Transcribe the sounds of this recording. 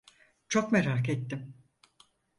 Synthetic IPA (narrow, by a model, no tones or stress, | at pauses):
t͡ʃʰo̞kmeɾaːket̪ːim